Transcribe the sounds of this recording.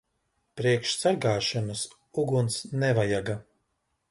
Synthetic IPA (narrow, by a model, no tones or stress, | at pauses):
pɾiɛkʃsaɾɡaːʃɔnɐs | uɡunt̪snɛvajaɡa